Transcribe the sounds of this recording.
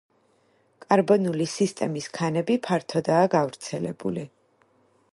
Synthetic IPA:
kʼaɾbɔnulisist̪ʼɛmiskʰanɛbipʰaɾt̪ʰɔd̪aːɡavɾt̪sʰɛlɛbṵli

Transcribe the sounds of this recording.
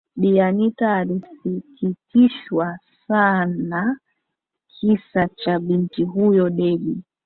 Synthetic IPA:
ɗianitaːlisikitiʃwasana | kʰisat͡ʃaɓintiɦujɔɗɛɗi

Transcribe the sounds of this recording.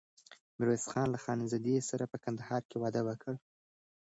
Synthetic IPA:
mɪɾosxɑnlaxɑnɪzad̪esaɾapəkand̪ahɑɾkewɑd̪əwəkʰəɽ

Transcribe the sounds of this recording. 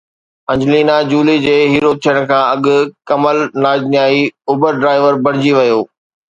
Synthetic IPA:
ɐ̃ɲd͡ʑliːnad͡ʑuːlid͡ʑeːɦiːɾoːt̪ʰijəɽ̃̆kʰãːɐɠʊkɐməlnaːd͡ʑnjaːiʊːbəɾɖɾaːɪʋəɾbɐɽ̤ɪd͡ʑiʋɐjoː

